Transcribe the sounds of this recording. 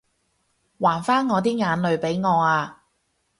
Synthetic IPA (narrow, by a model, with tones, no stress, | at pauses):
waː˨˩nfaː˥nŋɔː˨˧t̪̬iː˥ŋaː˨˧nlɵ˨˧ɥpe˨˥jŋɔː˨˧aː˧